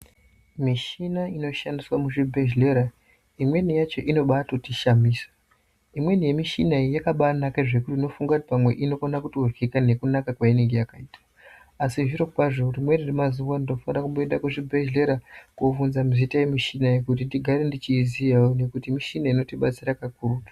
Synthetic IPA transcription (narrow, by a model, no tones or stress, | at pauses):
miʃinaino̞ʃandiswamuʐibʱe̞ʒle̞ɾa | imwe̞nijat͡ʃo̞ʔino̞ɓatotiʃamiːsḁ | imwe̞nije̞miʃinaijakaɓanakaʐe̞kutiino̞fuŋɡakuti̥pamwe̞ʔino̞konakutorɡikane̞kunakakwainiŋɡe̞jakaiːtḁː | siʐirokupaʐorimweniremaziʋanino̞fanirakuɓeeɗakuʐibʱe̞ʒle̞ɾakuvunzamizitaje̞miʃinajekut̬indiɡʱaɾe̞ndit͡ʃiːziaone̞kutimiʃinaino̞tiɓat͡siɾakakuːru